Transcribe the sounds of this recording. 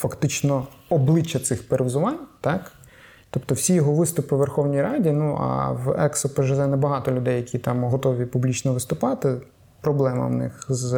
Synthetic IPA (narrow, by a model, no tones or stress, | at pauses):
fɐkt̪ɪt͡ʃnɔ | ɔblˠɪt͡ʃːɐt̪sɪxpeɾɪwzʊʋɑnʲt̪ɑk | t̪ɔpt̪ɔwsʲijɔɦɔʋɪst̪ʊpɪʋerxɔwnʲijɾɑdʲinuʔɐ̰ʋɛksɔpeʒɛzɛnɛbɐɦɑt̪ɔlʲʊd̪ɛjɐkʲit̪ɑmɦɔt̪ɔʋʲipublʲit͡ʃnɔʋɪst̪ʊpɑt̪ɪ | pɾɔblˠɛmɐ̰wnɪ̰xz